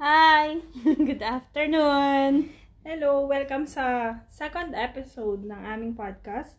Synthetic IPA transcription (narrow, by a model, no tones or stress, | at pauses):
hajɡʊd̪aft̪ɛɹnun | hɛlowɛlkɐmsɐsɛkond̪ɛpɪsowd̪̚nɐŋʔaːmɪŋpad̪̚kɐst̪